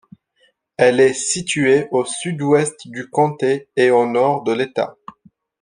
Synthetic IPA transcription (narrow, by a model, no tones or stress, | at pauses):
ɛlɛsit̪yeosyd̪wɛst̪d̪ykɔ̃t̪eeonɔʁd̪əlet̪a̰